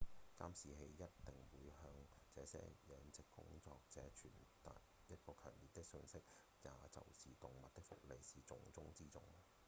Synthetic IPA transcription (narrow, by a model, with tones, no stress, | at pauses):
kaː˥msiː˨ɦe˧jːɐ˥t̚t̪ɪ˨ŋwuː˨˧jhœː˧ŋt͡sɛː˨˧sɛ̰ː˥jɛː˨˧ŋt͡sɪ˨kːʊ̰˥ŋt͡sɔː˧k̚t͡sɛː˨˥t͡ʃʰyː˨˩nt̪aː˨j | jɐ˥t̚kɔː˧kʰœː˨˩ŋliː˨˩t̚t̪ɪ˥k̚sɵ˧nsɪ˥k̚ | jaː˨t͡sɐ̰˨wsiː˨t̪ʊ˨ŋmɐ˨t̚t̪ɪ˥kfʊ̰˥k̚le˨˧jsiː˨t͡sʊ˨ŋt͡sʊ˥ŋt͡siː˥t͡sʊ˨˧ŋ